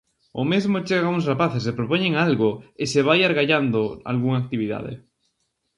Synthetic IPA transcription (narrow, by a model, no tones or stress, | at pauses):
ʊmezmot͡ʃeɣauŋsrapaθes̬epɾopoɲẽŋalɣoɪseβajaɾɣaʎand̪oa̰lɣuŋaːk̚t̪iβiða̰ðɪ̰